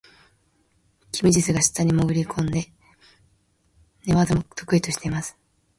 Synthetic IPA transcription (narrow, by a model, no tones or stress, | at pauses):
kʲʰimʲid͡ʑisɨɡaɕi̥t̪ːaɲ̟imoɡɯ̟ɾʲikʰõ̞nd̪e̞ | ne̞βad̪emot̪ʰo̞̥kɯ̟it̪o̞ɕi̥t̪e̞imasɨ̥